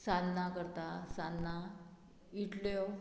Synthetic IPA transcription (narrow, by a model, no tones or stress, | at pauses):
sãnnakəɾt̪asanːa | iʈlo